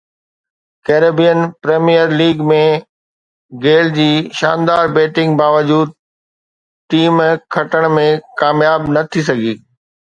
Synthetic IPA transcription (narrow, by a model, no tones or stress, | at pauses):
keːɾeːbijənpɾeːmijəɾliːɡmẽ | ɡeːld͡ʑiːʃa̰ːnd̪aːɾbeːʈɪ̃ŋɡbaːʋəd͡ʑuːd̪̚ | ʈiːmkʰɐʈəɽ̃mẽkaːmjaːbnɐt̪ʰis̬ɐɡʱiː